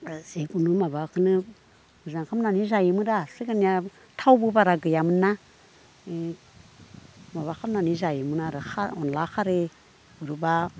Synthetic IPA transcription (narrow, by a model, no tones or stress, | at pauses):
ziɡunumaβakʰɯnɯ | buzaŋkʰamnanizajimɯɾasiɡanija | tʰawbɯbaɾaɡɯjamɯna | maβakʰamnanizajimɯnaɾɯxʰaɔnlakʰaɾe | uɾuba